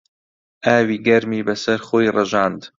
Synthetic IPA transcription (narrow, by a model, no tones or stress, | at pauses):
ʔaːwiːɡɐɾmiːbɐsɐɾχoːjrɐʒaːnd̪